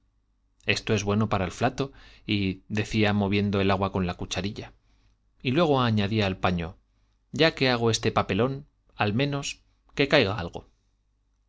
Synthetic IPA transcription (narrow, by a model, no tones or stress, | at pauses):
e̞st̪o̞e̞zβwe̞no̞paɾaelflat̪o̞iðe̞θiamo̞β̞je̞nd̪oe̞laɣwako̞nlakut͡ʃaɾiʎa | ilwe̞ɣ̞o̞aɲaðiaːlpaɲo̞̰ | ɟ͡ʝake̞aɣ̞o̞e̞st̪e̞pape̞lo̞n | almẽ̞no̞s | ke̞kajɣaa̰lɣo̞̰